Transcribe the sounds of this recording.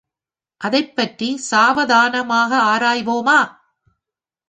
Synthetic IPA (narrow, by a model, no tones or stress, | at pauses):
ʔɐðɐɪpːɐʈrisaːʋɐðaːnɐmaːɣɐaːɾaːjʋoːmaː